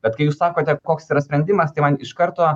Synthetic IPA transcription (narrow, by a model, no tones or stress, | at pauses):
bʲɛt̪kɐɪjuːssɑːkoːt̪ʲɛkoːksiːɾɐsʲpʲɾʲɛnʲd̪ʲɪmɐst̪ɐɪmɐnɪʃkɐɾt̪oː